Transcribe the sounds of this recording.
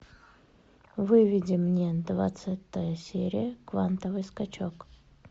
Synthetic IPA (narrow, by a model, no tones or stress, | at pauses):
vɨvʲɪdʲɪmnʲed̪va̰t̪sat̪əjəsʲeɾʲɪjəkva̰nt̪əvɨjskɐt͡ɕok